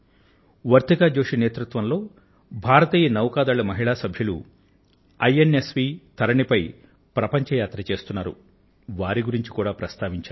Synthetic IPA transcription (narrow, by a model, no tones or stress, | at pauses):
ʋɐɾt̪ikaːd͡ʒoːʂineːt̪ɾut̪ʋɐnlo̞ː | bʱaːɾɐt̪iːjɐnɐwkaːd̪aːɭɐmɐɦiɭaːsɐbʱjulṵ | ɐjenesʋiːt̪ʰɐɾɐɳipɐj | pɾɐpɐɲt͡ʃɐjaːt̪ɾɐt͡ʃe̞ːst̪unːaːɾṵ | ʋaːɾiɡuɾiɲt͡ʃi̥kuːɽaːpɾɐst̪aːʋiɲt͡ʃaː